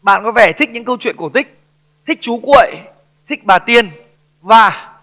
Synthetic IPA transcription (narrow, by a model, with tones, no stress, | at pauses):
ɓa̰ː˧˨nkɔ˨˦vɛ˧˩t̪ʰi˦˥k̚ɲɨ̰˧˥ŋkə˧wt͡ɕwḭ˧˨ənku˧˩t̪ʰï˦˥k̚ | t̪ʰï˦˥k̚t͡ɕu˨˦kwḭ˧˨j | t̪ʰï˦˥k̚ɓaː˨˩t̪i˧ən | vaː˨˩